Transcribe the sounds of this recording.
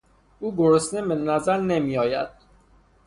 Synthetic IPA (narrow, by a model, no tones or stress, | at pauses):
uːɡoɾosnebenæzæɾnemiːjɒːjæd̪̥̚